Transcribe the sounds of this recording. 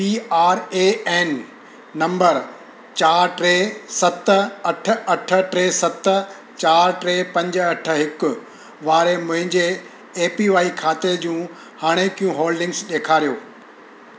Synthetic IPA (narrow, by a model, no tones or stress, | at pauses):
piːaːɾeːɛːnː | ɐ̃mbəɾ | t͡ɕaːɾʈɾeːsɐt̪̆ɐʈ̆ʰɐʈʰə̆ʈɾeːsɐt̪ | t͡ɕaːɾʈɾeːpɐ̃ɲd͡ʑɐʈʰə̆ɦɪkʊ̆ | ʋaːɾemʊ̃ɦɪ̃ɲd͡ʑeː | piʋaːikʰaːt̪ed͡ʑũː | haːɽ̃ekijũɦoːlɖɪ̃ŋɡsɗeːkʰaːɾijoː